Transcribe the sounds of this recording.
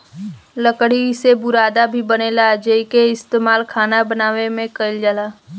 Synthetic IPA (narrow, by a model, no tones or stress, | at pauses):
ləkɽiɪsebʊɾaːd̪abʱibənelad͡ʒeikeɪst̪eːmaːlkʰaːnabənaːʋemẽkəɪld͡ʒaːlaː